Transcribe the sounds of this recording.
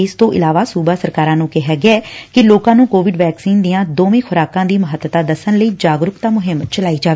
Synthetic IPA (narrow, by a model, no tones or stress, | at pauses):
ɪst̪õːʔɪ̰laːʋaːsuːbaːsəɾkaːɾãːnũːkɛɦaːɡɪaɛːkɪloːkãːnũːkoːʋɪɖʋɛːksiːnd̪ɪjãːd̪oːʋẽːkʰʊɾaːkãːd̪iːməɦət̪ːt̪aːd̪əsənləiːd͡ʒaːɡɾʊkt̪aːmʊɦɪmt͡ʃəlaːiːd͡ʒaːʋeː